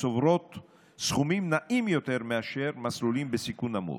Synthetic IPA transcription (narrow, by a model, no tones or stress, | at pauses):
sovɾo̞t̪ | sχumimnaʔimjo̞t̪e̞ʁmeaʃe̞ʁmaslulimbesikunamṵ